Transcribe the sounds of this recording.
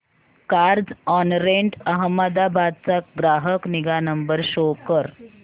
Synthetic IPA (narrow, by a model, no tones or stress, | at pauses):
kaɾd͡zɔnɾeɳʈəɦəmːəd̪abad̪̚t͡sak̚ɡɾaɦəkniɡanəmbəɾɕokəɾ